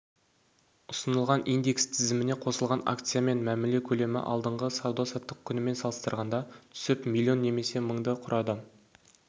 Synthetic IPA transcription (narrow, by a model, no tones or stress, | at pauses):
ʊsənəlˠʁɑnʔijnd̪ekst̪ʰɪzɪmɪne̞qʰo̞səlˠʁɑna̰k̚t̪sɨjame̞nmæmɪle̞kʲʰɵle̞mɪ̰ʔɑ̰lˠd̪əɴʁəsɑwd̪ɑsɑt̪ːəq̚kʲʰʏnɪme̞nsɑlˠəst̪əɾʁɑnd̪ɑt̪ʰʏ̥sɪpmilʲːio̞nːe̞me̞se̞məɴd̪əqʰʊɾʔɑd̪ə